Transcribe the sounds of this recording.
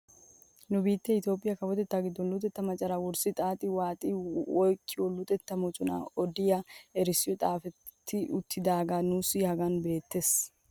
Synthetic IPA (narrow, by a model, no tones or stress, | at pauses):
nʊbiːt̪ːɛɪt̪o̞ːpʼɪjɐkɐwɔt̪ɛt̪ːaːɡɪd̪ːɔnlʊt̪ʼɛt̪ːɐmɐt͡ʃʼɐɾɐwɔɾsɪt̪ʼaːt̪ʼɪwaːt̪ʼɪwɔjkʼːɪwɔlʊt̪ʼɛt̪ːɐmɔt͡ʃʼʊnɐ̰ɔd̪ɪjaɛɾɪsːɪjɔt̪ʼaːfɛː | ɪʊt̪ʰːɪd̪aːɡanuːsɪhɐɡɐnbe̞ːt̪ːes